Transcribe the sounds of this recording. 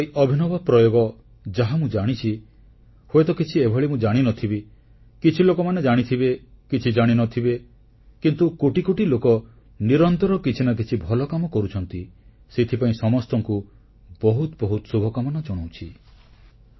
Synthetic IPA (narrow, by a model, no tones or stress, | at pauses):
ejʔɔbʱinɔbɔpɾɔjoɡɔ | d͡ʒaɦamũd͡ʒaɽ̃it͡ʃʰi | hoet̪ɔkit͡ʃʰiebʱɔɭimũd͡ʒaɽ̃inɔt̪ʰibe | kit͡ʃʰilokɔmaned͡ʒaɽ̃it̪ʰibekit͡ʃʰid͡ʒaɽ̃inɔt̪ʰibe | kint̪ukoʈikoʈilokɔ | niɾɔnt̪ɔɾɔkit͡ʃʰinɔk̬it͡ʃʰibʱɔlɔkamɔkɔɾut͡ʃʰɔnt̪i | set̪ʰipaĩsɔmɔst̪ɔŋku | bɔɦut̪bɔɦut̪ɔ̥subʱɔkamɔnɔd͡ʒɔɽ̃ow̃t͡ʃʰi